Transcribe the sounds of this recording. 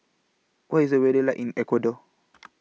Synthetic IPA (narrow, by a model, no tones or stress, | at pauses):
wʔajzɔwɛɗɛlaʔinʔɛkɔdɔ